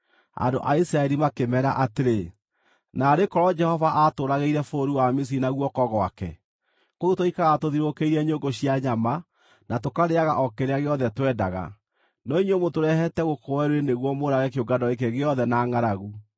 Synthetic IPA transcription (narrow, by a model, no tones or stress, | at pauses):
a̰ndo̰ʔaisɾaɛɾimakemɛɾa̰ʔateɾe | naːɾekɔɾɔd͡ʒɛhɔvaʔatoːɾaɣeiɾɛfoːɾuwamis̬iinaɣwɔkɔɣɔa̰kɛ̰ | koɾutoikaɣatoðiɾokeiɾɛɲoŋɡoɕiaɲama | natokaɾeaɣaʔɔkeɾeaɣeɔðɛtwɛdaɣa̰ | nɔiɲomotoɾɛhɛtɛɣokowɛɾweneɣwɔmoɾaɣɛkeoɡadɔek̬eɣeɔðɛnaːŋaɾaɣu